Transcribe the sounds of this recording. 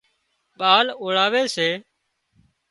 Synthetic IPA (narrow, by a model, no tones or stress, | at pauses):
ɓaːloːɽaːʋeːseː